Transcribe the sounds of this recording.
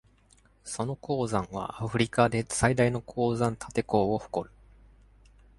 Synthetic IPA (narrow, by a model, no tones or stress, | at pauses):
so̞no̞ko̞ːzãɰ̃βa̰aɸɯ̟ɾʲikad̪e̞said̪aino̞kʰo̞ːzãnt̪ʰat̪e̞ko̞ːoho̥ko̞ɾɯ̟